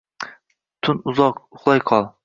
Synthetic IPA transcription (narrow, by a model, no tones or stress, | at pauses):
t̪ʰʊnʊzɒqʊχlˠɑjqʰɒlˠ